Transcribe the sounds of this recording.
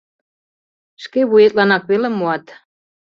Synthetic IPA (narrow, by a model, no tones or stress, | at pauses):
ʃkeβujet̪lɑnɑkβelemːoɑt̪